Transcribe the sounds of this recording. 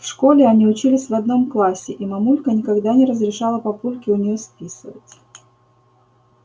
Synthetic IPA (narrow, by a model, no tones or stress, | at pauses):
fʂkolʲɪɐnʲiʊt͡ɕilʲɪsʲvɐd̪no̞mklˠasʲɪ̰ʔimɐmulʲkənʲɪkaɡd̪anʲɪɾəzɾʲɪʂalˠəpɐpulʲkʲɪʊnʲɪjospʲisɨvətʲ